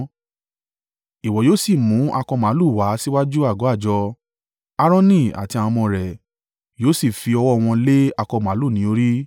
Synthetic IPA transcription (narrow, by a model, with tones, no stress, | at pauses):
i˨wɔ˨joː˦si˦˨mũ˨˦ʔa˧kɔ˧mã˨˦lu˦˨wa˨˦si˦wa˦d͡ʒu˦a˦˨ɡɔ˨˦a˦˨d͡ʒɔ˧ | a˧ɾ̃ɔ̃˦˧nĩ˦˨a̰˨ti˧ã˧ɔ̃˧mɔ̃˧ɾɛ˨ | joː˨˦si˦˨fi˧ɔ˧wɔ˦˨˧w̃ɔ̃˧le˦a˧kɔ˧m˨ã˨˦lu˦˨nĩ˨˦o˧ɾi˦